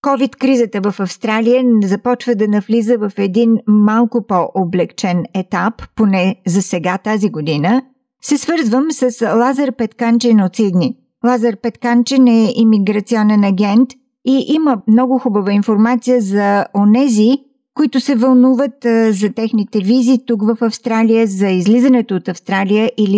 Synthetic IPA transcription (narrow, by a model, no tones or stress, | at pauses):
kɔvit̪kɾizət̪əvəfɐfst̪ɾalijəzɐpɔt͡ʃvəd̪ɐnɐflizəvəfɛd̪inmalˠkʊpoʔoblɛkt͡ʃɛnɛt̪apːonɛzɐsɛɡat̪aziɡod̪inə | sɛsvɤɾzvəmsəslˠazəɾpɛt̪kant͡ʃɛnot̪sid̪ni | lˠazəɾpɛt̪kant͡ʃɛnɛʔimiɡɾɐt̪siɔnɛnɐɡ̟ɛnt̪ | iʔiməmnɔɡʊxubəvəinfoɾmat̪sijəzɐonɛzi | koit̪ʊsɛvɐlˠnuvət̪zɐt̪ɛxnit̪ɛvizit̪ukvəfɐfst̪ɾalijəzɐizlizənɛt̪oːt̪ɐfst̪ɾalijəʔili